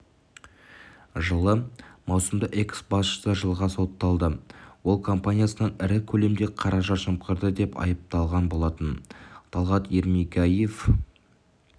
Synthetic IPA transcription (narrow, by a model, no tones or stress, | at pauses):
ʒəlˠəmɑwsəmd̪əʔe̞ksbɑsʃə̥səʒəlˠʁɑso̞t̪ːɑlˠd̪əwo̞lˠkʰo̞mpanʲijasənɑnɪɾɪkʲʰɵle̞md̪e̞qʰɑɾɑʒɑʃəmqəɾd̪əd̪e̞pɑ̰jəp̚t̪ɑlˠʁɑnbo̞lˠɑt̪ənt̪ʰɑlˠʁɑt̪eɾmiɡʲajef